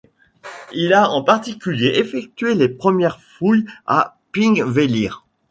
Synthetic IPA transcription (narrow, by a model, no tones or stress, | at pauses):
ilaɑ̃paʁt̪ikʲyljeʔefɛk̚t̪ɥelepχəmjɛʁfuja̰piŋveliʁ